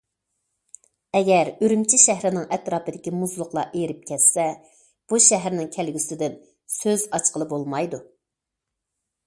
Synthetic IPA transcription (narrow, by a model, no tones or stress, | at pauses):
ɛɡʲɛɾøɾymt͡ʃʰiʃæɦɾɪnɪŋʔɛt̪ɾɑːpɨd̪ɪkʲimuzlˠʊqlˠɑ̰ʔejɾɪp̚kʲʰɛt̪sɛ | b̥uʃɛɦæɾnɪŋkʲʰælɡʲysɪd̪ɪn | søzɑt͡ʃqəlˠɨbolˠmɑjd̪u